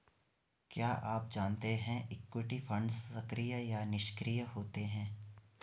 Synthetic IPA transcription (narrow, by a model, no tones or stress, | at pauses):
kjaːʔaːp̚d͡ʒaːnt̪eɦɛ̃ʔɪkwɪʈifɐ̃ɳɖsːɐkɾijəjanɪʃkɾijəɦoːt̪eɦɛ̃ː